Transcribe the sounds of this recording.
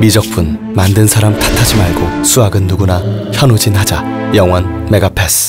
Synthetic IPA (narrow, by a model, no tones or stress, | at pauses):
mid͡ʑʌk̚p͈ʰun | mandɯnsʰaɾamtḁtʰad͡ʑimaɭɡos͈ʰuaɡɯnːuɡunaçjʌnud͡ʑinhad͡ʑa | jʌŋwʌn | me̞ɡapʰesʰ